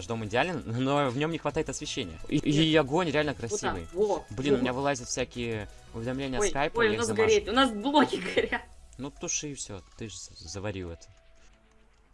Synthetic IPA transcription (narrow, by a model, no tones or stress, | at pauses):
ʐd̪o̞mɪdʲɪalʲɪnno̞vnʲo̞mnʲɪxvɐt̪ajɪt̪ɐsvʲɪɕːenʲɪjə̰iiɐɡo̞nʲɾʲɪalʲnəkɾɐsʲivɨ̰jvoblʲinʊmʲɪnʲavɨlˠazʲɪt̪fʲsʲækʲɪjə | ʊvʲɪd̪ɐmlʲenʲɪjəsjkajpjʊnasɡɐɾet̪ʲʊnasblˠoɡʲɪɡəɐɾʲatnut̪ʊʂɨfsʲot̪ɨʐzəvɐɾʲḭɛt̪ə̥